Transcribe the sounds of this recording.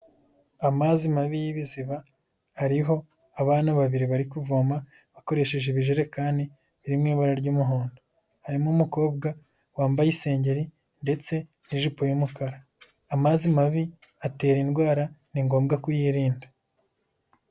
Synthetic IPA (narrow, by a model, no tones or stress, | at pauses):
amazimaβijiβiziβa | haɾiɦo̞ | aβaːnaβaβiɾiβaɾikuvoːma | βako̞ɾe̞ʃe̞ʒeβiʒeɾe̞kaːni | βiɾimŋiːβaɾaɾɟuːmuɦoːndo | haɾimumuko̞ːbɡa | waːmbajise̞ːɲɟe̞ɾi | nde̞t͡se̞ | niʒupojumukʰaɾaː | mazimaβi | ate̞ːɾinɡwaːɾaniŋɡo̞ːmbɡakujiːɾiːnda